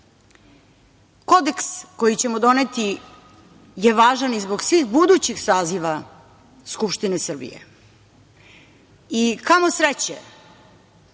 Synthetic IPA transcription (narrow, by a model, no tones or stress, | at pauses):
ko̞d̪e̞ksko̞jit͡ɕe̞mod̪o̞net̪i | jeʋaːʒanizbo̞ɡsʋiːxbud̪ut͡ɕixsaːziʋa | skupʃt̪inesr̩bḭjḛ | ikamo̞sɾet͡ɕe